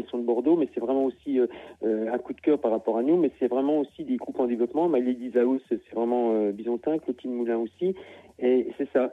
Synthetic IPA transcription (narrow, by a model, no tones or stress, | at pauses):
ilsɔ̃d̪əbɔʁd̪omɛsɛvʁɛmɑ̃osiøøɛ̃kud̪kʲœʁpaʁːapɔʁanumɛsɛvʁɛmɑ̃osid̪eɡʁupɑ̃d̪evlɔpmɑ̃maljed̪izaussɛvʁɛmɑ̃øbizɔ̃t̪ɛ̃klot̪ʰinmulɛ̃osiesɛsa